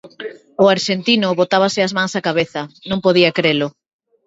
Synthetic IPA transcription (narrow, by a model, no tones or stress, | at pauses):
ʊaɾʃent̪inʊβot̪aβ̞asɪazmãŋsakaβeθɐnõŋpoð̞iakɾelʊ